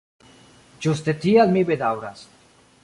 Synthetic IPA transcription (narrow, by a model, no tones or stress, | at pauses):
d͡ʒust̪et̪iad̪mibed̪awɾa̰s